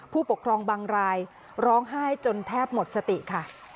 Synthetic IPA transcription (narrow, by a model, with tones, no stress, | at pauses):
pʰuː˥˩po˨˩kʰɾɔː˧ŋbaː˧ŋɾaː˧j | ɾɔː˦˥ŋɦaː˥˩jt͡ɕo˧nt̪ʰɛː˥˩p̚mo˨˩t̪̚sa˧t̪i˨˩ʔkʰa˥˩